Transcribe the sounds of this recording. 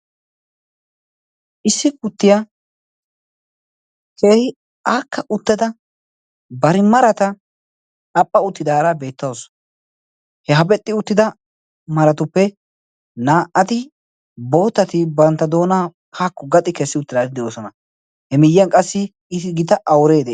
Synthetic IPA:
ʔɪsːɪkʊt̪ːɪja | ke̞ːhɪ | aːkʰːɐʊt̪ːɐd̪ɐ | bɐɾɪmɐɾɐt̪ɐ | ɐpʼːɐʊt̪ːɪd̪aːɾabe̞ːt̪ːɐws | hɛɦɐbɛt̪ʼːɪʊt̪ːɪd̪ɐ | mɐɾɐt̪ʊpːɛ | naːʔɐt̪ɪ | bo̞ːt̪ːɐt̪ɪbɐnt̪ːɐd̪o̞ːnaː | haːkːʊɡɐt̪ʼːɪkɛsːɪʊt̪ːɪd̪at̪ɪd̪ɛoːsɔnɐ | hɛmɪjːɐnkʼɐsːɪ | ɪɪɡɪt̪ɐʔɐwɾeːd̪e

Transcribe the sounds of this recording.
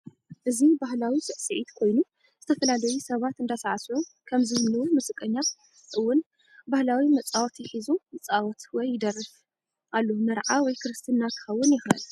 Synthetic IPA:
ʔɨzibaɦlawisɨʔsɨʕit̪kʰo̞jnu | z̥ɨt̪ʰɐfɐlalɐjusɐβat̪ɨnd̪asaʕasokʰɐmzɨhɨnlɨwomɨsʼɨkʼːɐɲːam | ʔɨwːʊn | bahlawimɐt͡sʼawɔt̪jɪħizumɐt͡sʼawɔt̪wɔjːɪd̪ɐrːɨf | ʔalːomɐɾʕawɔjkʰɨɾɨst̪ʰɨnːakʰɨ̥xɐwːʊnjɪxɐ̰l

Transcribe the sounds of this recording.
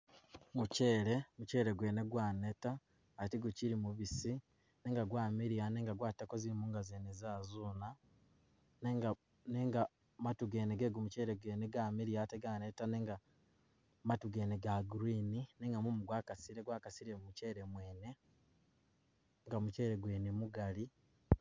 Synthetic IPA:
muce̞ːɾe̞muce̞ːɾe̞ɡwe̞ːneɡwaːne̞taː | tiɡuciɾimuβisi | neːŋɡaɡwaːmiɾijaneːŋɡaɡwaːtakoziɾimuːŋɡazeːnezaːzuːna | neŋɡa | neŋɡa | matuɡe̞ːneɡeːɡumuceːɾeɡweːneɡamiɾijateɡanetaneːŋɡa | matuɡe̞ːneɡaɡuɾiːnineːŋɡamumuɡwaːkasiɾeɡwaːkasiɾemumuce̞ːɾemwe̞ːne̞ | ŋɡamut͡ʃe̞ːɾeɡwe̞ːnemuɡali

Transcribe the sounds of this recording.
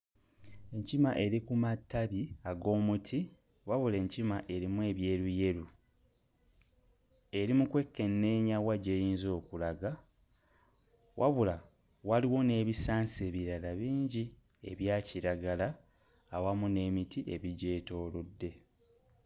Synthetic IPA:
e̞ɲcimaʔe̞ɾikumatːaβiaɡo̞ːmutʰi | waβule̞ɲcimaʔe̞ɾimwe̞ːβje̞ːɾuje̞ɾu | e̞ɾimukwe̞kːe̞nːe̞ːɲawaɟe̞jiːnzo̞ːkulaɡa | wʔa̰βula | waliwo̞ne̞ːβisaːnse̞ːβiɾalaβiːɲɟi | e̞̰βjaːciɾaɡalaː | wamune̞ːmitiʔe̞̰βiɟe̞ːto̞ːlodːe̞

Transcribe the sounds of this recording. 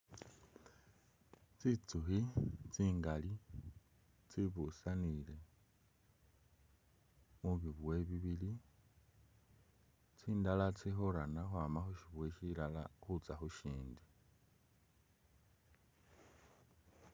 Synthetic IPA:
t͡sit͡suxit͡siːŋɡali | t͡siβusanile̞ | muβiβwe̞βiβili | t͡siːndalat͡sixoɾanaxwamaxuʃiβwe̞ʃiːlala̰xut͡saxuʃiːndi

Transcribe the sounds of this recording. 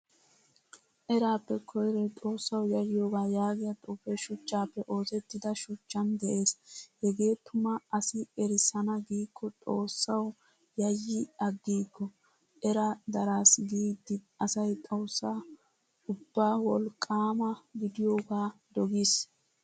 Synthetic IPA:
ʔɛɾaːpːɛkʰɔjɾɛt̪ʼo̞ːsːɐwjɐjɪjo̞ːɡaːjaːɡɪjɐt̪ʼufɛʃʊt͡ʃːaːpːɛʔo̞ːsɛt̪ːɪd̪ɐʃʊt͡ʃːɐnd̪ɛʔe̞ːshɛɡe̞ːt̪ʊmɐɐsɪɛɾɪsɐnɐɡiːkʰːɔt̪ʼo̞ːsːɐw | jɐjːɪɐɡːiːkːɔ | ʔɛɾɐd̪ɐɾaːsɡiːd̪ːɪ | ɐsɐjt̪ʼo̞ːsːaː | ʊbːaːwɔlkʼaːmɐɡɪd̪ɪjo̞ːɡaːd̪ɔɡis

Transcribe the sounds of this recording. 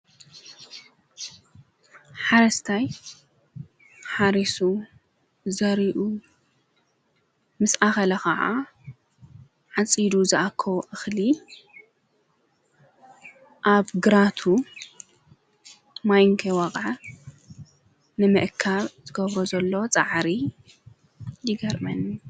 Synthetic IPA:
ħaɾɐst̪ʰaj | ħaɾisu | zɐɾiʔu | mɨsʔaxɐlɐkɐʕa̰ | ʕat͡sʼid̪uzɨʔakʰːɐwʔɨxli | ʔaβɡɨɾat̪ʰu | majŋkʰewɐkʼʕa | nɨmɨʔkʰːaβz̥ɨɡɐβɾozɐlːot͡sʼa̰ʕɾi | jɪɡɐɾmɐni

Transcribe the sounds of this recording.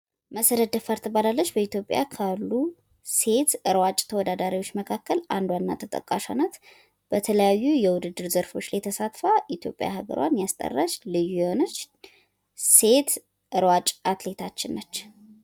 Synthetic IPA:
məsəɾəd̪əfaɾt̪ʰəbalalːət͡ʃːbəit̪jo̞pʼːja̰kʰalːu | se̞t̪ɨɾwat͡ʃʼt̪ʰəwɔd̪ad̪aɾiwo̞t͡ʃːməkʰakːəla̰nd̪wanːa̰t̪ʰət̪ʼə̰kʼaʃanat̪ | b̥ət̪ʰələjajːujɛwʊd̪ɨd̪ːɨɾzəɾfo̞t͡ʃːlajt̪ʰəsat̪faʔit̪jo̞pʼːja̰hɨɡə̰ɾwa̰njast̪ʼə̰rːat͡ʃlɨjːujɛho̞nət͡ʃː | se̞t̪ | ʔɨɾwat͡ʃʼat̪le̞t̪ʰat͡ʃːɪnːət͡ʃː

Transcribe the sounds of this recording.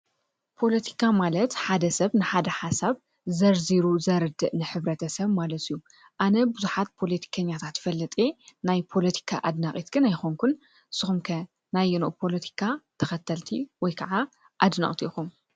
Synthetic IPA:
pʰo̞lɐt̪ʰi̥kʰamalɐt̪ħad̪ɐsɐβnɨħad̪ɐħasaβ | zɐɾziɾuzɐɾɨd̪ɨʔnɨħɨβɾɐt̪ʰɐsɐβmalɐt̪ɨjːu | ʔanɐbuzuħat̪̚pʰo̞lɐt̪ʰi̥kʰɐɲːat̪ʰat̪jfɐlːɐt̪ʼenajpʰo̞lɐt̪ʰi̥kʰaʔad̪naχʼit̪ɡɨnajxoŋkʰun | sɨxumkʰɐ | najɛnoʔpʰo̞lɐt̪ʰi̥kʰat̪ʰɐxɐt̪ʰːɐlt̪ʰiwɔjkʰɐʕa | ʔad̪nɐ̰χʼt̪ʰiʔxum

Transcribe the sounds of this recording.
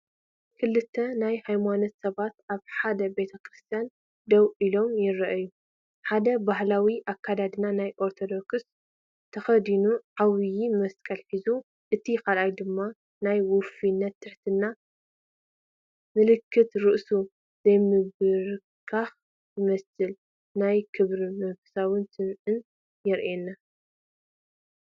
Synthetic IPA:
kʰɨlːɨt̪ʰːɐnajhajmano̞t̪sɐβat̪ʔaβħad̪ɐbe̞t̪ʰɐkʰɾɨst̪ʰijan | d̪ɐwʔilo̞mjɪɾɐʔɐju | ħad̪ɐbaɦlawiʔakːad̪ad̪ɨnanajʔo̞ɾt̪ʰo̞d̪o̞ks | t̪ʰɐxɐd̪inuʕawjimɐskʼɐlħizu | ʔɨt̪ʰixalʔajd̪ɨmːa | najwʊfinːɐt̪ʰːɨħt̪ʰɨnːa | mɨlɨkʰːɨt̪ɾɨʔsu | z̥ɐjmɨβɨɾ | kʰax | jɨmɐsɨl | najkʰɨβɾimɐfɨsawɨnsɨmʔɨn | jɛɾʔenːa

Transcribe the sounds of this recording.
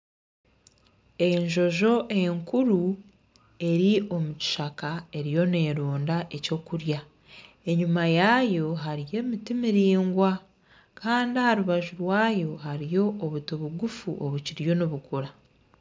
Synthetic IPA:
e̞ɲʒo̞ʒo̞ʔe̞ŋkuɾu | e̞ɾio̞muci̥ʃakae̞ɾijo̞ne̞ːɾoːndaʔe̞co̞kuɾja | e̞ɲumajajo̞ɦaɾije̞mitimiɾiːŋɡwa | kʰaːndihaɾuβaʒuɾwaːjo̞ɦaɾijo̞ːβutoβuɡufuʔoβuciɾjo̞noβukuɾa

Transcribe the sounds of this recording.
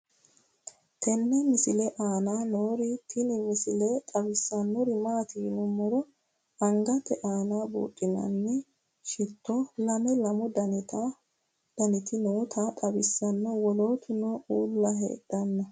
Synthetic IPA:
t̪ɛnːɛmɪsɪlɛʔaːnaːnoːɾɪt̪ʰɪnɪmɪsɪlɛt̪ʼɐbɪsːɐnːɔɾɪmaːt̪iːnʊmːɔɾɔ | ɐŋɡɐt̪ːɛʔaːnaːbṵːtʼːɪnɐ̰nːɛ | ʃɪt̪ːɔlɐmɛlɐmʊd̪ɐnɪt̪ɐ | d̪̥ɐnɪt̪ʰɪnoːt̪ʰat̪ʼɐbɪsːɐnːɔwɔlo̞ːt̪ʰʊnɔuːlːɐɦḛːd̪̥ːɐnːɐ

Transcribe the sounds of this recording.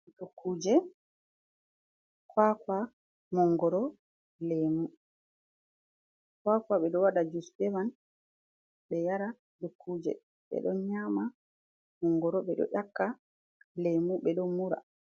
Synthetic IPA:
dukʰːuːd͡ʒɛ | kwaːkwa | mɔŋɡɔɾɔ | lemu | kwaːkwaɓɛɗɔwaɗad͡ʒustɛman | ɓɛjaɾa | dukʰːuːd͡ʒɛ̰ | ɓɛ̰ɗɔnɲama | mɔŋɡɔɾɔɓɛɗɔ̰ʔakːa | lemuɓɛɗɔnmuɾa̰

